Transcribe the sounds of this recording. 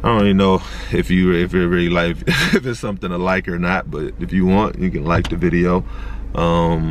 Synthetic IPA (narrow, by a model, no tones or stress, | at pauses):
aɪõnɨnoʊ | ɪfjɨɪfə˞ɹɪlˠilaɪɨfəz̥sʌ̃mθɪ̃ŋtʰəlaɪkə˞nət̚b̥ʌɾɨfjɨwɑ̃njɨkɨ̃nlaɪk̚ðɨvɪɾioʊ | ʔʌ̃m